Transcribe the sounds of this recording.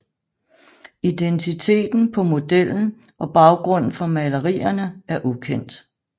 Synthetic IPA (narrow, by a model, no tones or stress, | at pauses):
id̥ent͡sʰit͡sʰe̝̰ːd̥n̩pʰɒ̽mo̝d̥el̰n̩ | ʔɒ̽b̥ɑ̈ʊɡ̥ʁɔ̽n̰n̩fɒ̽mæləʁḭːɐnəæɐʔukʰen̰d̥